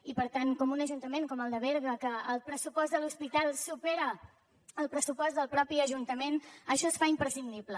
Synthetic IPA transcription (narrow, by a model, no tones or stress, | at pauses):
ipəɾt̪ankɔmunəʒunt̪əmeŋkɔməlˠd̪əβɛɾɣəkəːlˠpɾəsupɔzd̪əluspit̪alˠsupɛɾə | əlˠpɾəsupɔzd̪əlˠpɾɔpiəʒunt̪əmenəʃɔsfaimpɾəsind̪iblə